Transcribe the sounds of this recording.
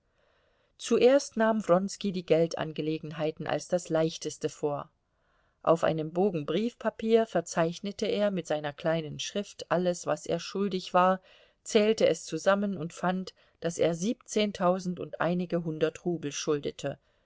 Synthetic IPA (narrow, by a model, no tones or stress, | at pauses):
t͡suʔeːɐstnaːmvʁɔnskidiːɡɛltʔa̰nɡəleːɡŋ̩ɦaɪtn̩ʔa̰lsd̥aslaɪçtəstəfoːɐ | ʔa̰ʊfʔa̰ɪnəmboːɡŋ̩bʁiːfpʰapʰiːɐfɛɐt͡saɪçnətəeːɐmɪtz̥aɪnɐkʰl̥aɪnənʃʁ̥ɪftʔaləsv̥asḛːɐʃʊldɪçv̥aːɐ | t͡sɛːltəɛst͡suzamənʊntfant | d̥asḛːɐziːp̚t͡seːntʰaʊzn̩tʊntʔa̰ɪnɪɡəɦʊndɐtʁuːbl̩ʃʊldətʰə